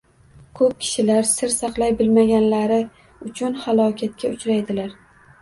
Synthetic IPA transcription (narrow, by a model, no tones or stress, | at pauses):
kʰɵp̚kʲʰɪ̥ʃɪlaɾsɪɾsɑqlˠajbɪlmaɡʲanlaɾɪ | ʊt͡ʃʰʊnhalˠɒkʲʰat̪̚kʲaʊt͡ʃɾajd̪ɪlaɾ